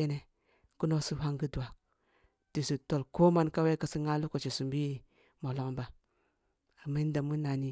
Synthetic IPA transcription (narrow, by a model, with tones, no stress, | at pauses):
e˦ne˨ | ku˦no˦su˦ɦa˦ŋɡi˦du˨wa˨ | ti˨si˨to˨lko˦ma˦nka˦we˦ka˨si˦ŋa˦lu˦ko˨t͡ʃe˨su˨mbi˦ | mo˨lo˦ŋba˨ | a˨ma˦n˦da˨mu˦na˨ni˦